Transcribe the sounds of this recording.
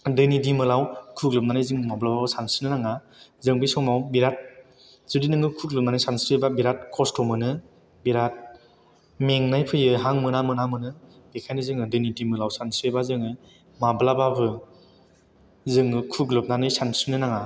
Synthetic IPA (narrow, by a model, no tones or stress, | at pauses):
dɯnidimɯlawkʰuɡlɯp̚nanɯjzɯŋmablababɯsansɯnɯnaŋa | zɯŋbɯjsɔŋmawbiɾat̚ | z̥ɯdinɯŋɯkʰuɡlɯp̚nanajsansebabiɾat̚kʰɔstʰɔmɯnɯ | biɾat̚ | meŋnajpʰɯjɯɦaŋmɯnamɯnamɯnɯ | b̥ekʰajnɯzɯŋɯdɯnidimɯlawsansejbazɯŋɯ | mablababɯ | zɯŋɯkʰuɡlɯp̚nanɯjsansɯnɯnaŋa